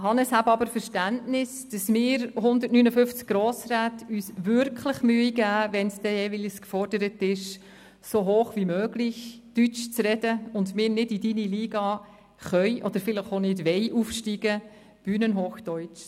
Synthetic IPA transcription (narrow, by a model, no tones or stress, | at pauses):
hɑnəshæbəɑbəɾfəɾʃtæntnɪsd̥ɑsmɪːɾɦʊndətnyːnəfʏft͡sk̚ɡ̥ɾoːsraːtyːsʋʏɾkʰləχmyːiɡæːvɛnsd̥ɛjɛːvilskfɔrdəɾətɪʃ | soɦoːχvimøːɡ̥lɪç | d̥yt͡ʃt͡srɛdəʊndmɪːɾnɪdidiniliːɡɑ | χœʏʔɔd̥əɾfɪləχonɪdʋɛɪʔufʃtiːɡə | b̥yːnənɦoːχd̥œʏt͡ʃ